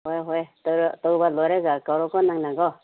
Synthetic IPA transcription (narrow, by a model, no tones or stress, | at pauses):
hɔjɦɔjtɔɾtɔwbalɔjɾeɡakawɾɔkʰɔnaŋnaɡɔ